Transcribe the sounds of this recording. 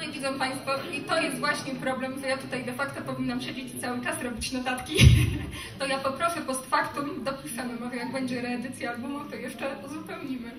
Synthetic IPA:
ɛvʲid̪zɔ̃w̃paj̃st̪fɔit̪ɔjɛst̪vwaɕɲɛpɾɔblɛmt̪ɔjat̪ut̪ajd̪ɛfakt̪ɔpɔvʲinːamɕed͡ʑet͡ɕt̪sawɘt͡ʂasɾɔbʲit͡ɕnɔt̪at̪kʲi | t̪ɔjapɔpɾɔfɛpɔst̪fakt̪umd̪ɔpuʂʂamɘmɔʐɛjaɡbɛɲd͡ʑɛɾɛːd̪ɘt̪sʲjaːlbumuft̪ɔjɛʂt͡ʂɛuzupɛwɲimɘ

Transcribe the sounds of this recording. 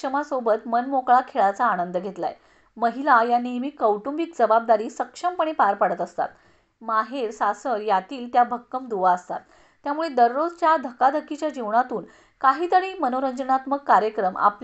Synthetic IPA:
əmasobət̪mənmokɭakʰeɭat͡saːñənd̪əɡʱet̪la̰jḛ | məɦilajanːimiːkəwʈumbik̚d͡zəbab̚d̪aɾiːsəkʂəmpəɳ̃ipaɾpaɽət̪əst̪a̰t̪ | maɦeɾsasəɾjat̪iːlt̪jabʱəkːəmd̪uʋaəst̪at̪ː | jamuɭed̪əɾːod͡zt͡ɕjad̪ʱəkad̪ʱəkːit͡ɕjad͡ʑiʋɳat̪uːn | kaɦiːt̪əɽiːmənoɾəɲd͡ʑənat̪məkkːaɾjəkɾəma̰p

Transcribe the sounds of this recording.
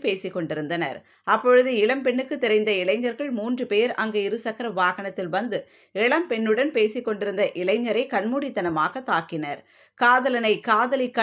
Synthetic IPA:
peːsɪkːɔɳɖɪɾɯnd̪ɐnɐ̰ɾ | ɐpːɔɻɯðɯɪɭɐmpɛɳːɯkːɯt̪ːɛɾɐɪnd̪ɐɪɭɐɪɲːɐɾɣɐɭmuːndrɯpeːɾʔɐŋɡɐɪɾɯsɐkːɐɾɐʋaːɣɐɳɐt̪ːɪlʋɐnd̪ɯ | ɛɭɐmpɛɳːɯɽɐnpeːsɪkːɔɳɖɪɾɯnd̪ɐʔɪɭɐɪɲːɐɾɐɪkɐɳmuːɽɪt̪ːɐnɐmaːɣɐt̪ːaːkːɪnɐɾ | kaːðɐlɐnɐɪkaːðɐlɪkːɐ

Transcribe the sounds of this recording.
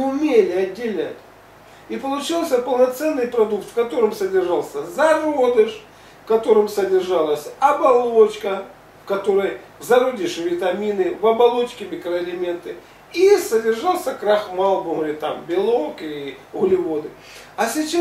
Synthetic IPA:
ʊmʲelʲɪɐdʲːɪlʲnʲa̰tʲ | ipəlˠʊt͡ɕilˠsʲəpəlˠnɐt̪sɛnːɨjpɾɐd̪uk̚t̪fkɐt̪o̞ɾɨmsədʲɪrʐalˠsʲəzɐro̞d̪ɨʂ | fkɐt̪o̞ɾɨmsədʲɪrʐɑlˠəsʲɐbɐlˠot͡ɕkə | fkɐt̪o̞ɾəj | zɐɾod̪ʲɪʂɨvʲɪt̪ɐmʲinɨvɐbɐlˠo̞t͡ɕkʲɪmʲɪkɾəɐlʲɪmʲe̞nt̪ɨ | isədʲɪrʐalˠsʲəkɾaxmalˠbʊɦlʲɪt̪a̰mbʲɪlˠokɪɣʊlʲɪvod̪ɨ | ɐsʲɪt͡ɕa

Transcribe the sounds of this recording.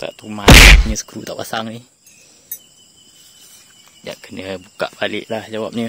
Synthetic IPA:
t̪a̰ʔt̪umanɲəsə̥kɾut̪aʔpasaŋnih | d͡ʒa̰ʔkənəbukaʔbalɪʔlahd͡ʒawap̚ɲə

